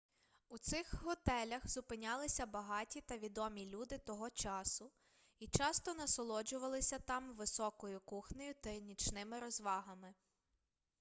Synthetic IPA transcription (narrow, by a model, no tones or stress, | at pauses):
ut̪sɪxɦɔt̪ɛlʲɐxzʊpɪnʲɑlˠɪsʲɐbɐɦɑtʲit̪ɐʋʲid̪ɔmʲilʲud̪ɪt̪ɔɦɔt͡ʃɑsʊ | it͡ʃɑst̪ɔnɐsɔlˠɔd͡ʒʊʋɐlˠɪsʲɐt̪ɑmʋɪsɔkɔjʊkuxnʲɔjʊt̪ɐnʲit͡ʃnɪmɪɾɔzʋɑɦɐmɪ